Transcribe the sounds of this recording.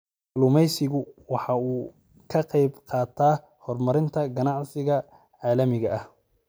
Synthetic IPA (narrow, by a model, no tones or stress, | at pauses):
lʊmɛjsɪɣʊwɑħɑuː | kʰɐqɛjbqɑːt̪ʰaː | hɔrmɐɾɪnt̪ʰɐɡɐnɑʕsɪɣɐ | ʕɑːlɐmɪɣɐʔɐh